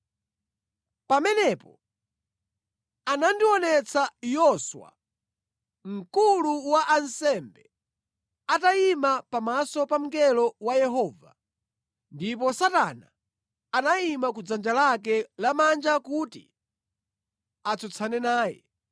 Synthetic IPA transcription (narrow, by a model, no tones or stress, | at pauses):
pamɛnɛpɔ | anandiwɔnɛt͡sʰajɔswa̰ | ŋ̩kuluwaʔansɛmbɛ | ataimapamasɔpam̩kɛlɔwajɛɦɔːva | ndipɔsatanaː | naimakud͡zand͡ʒalak̬ɛlamand͡ʒakutḭ | at͡sʰɔt͡sʰanɛnaːjɛ̰